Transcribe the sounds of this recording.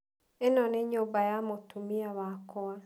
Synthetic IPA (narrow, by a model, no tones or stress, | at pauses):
enɔneɲobajamotumiaβakʰɔwa